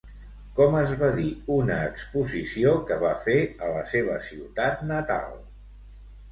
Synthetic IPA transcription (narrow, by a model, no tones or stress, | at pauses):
kɔməzβaðiunəːkspuzisiokəβafeələseβ̞əsiwt̪at̪nət̪a̰lˠ